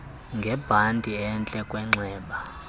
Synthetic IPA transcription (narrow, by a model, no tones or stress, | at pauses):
ŋɡʱɛb̥ʱantʼiɛnt͡ɬʼɛkʼwɛŋ͡ǁɛːɓa